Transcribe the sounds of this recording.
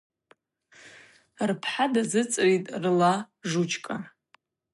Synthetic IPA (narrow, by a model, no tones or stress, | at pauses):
rpʰħadazɨt͡sʼritʼrla | ʐut͡ʃʰkʼa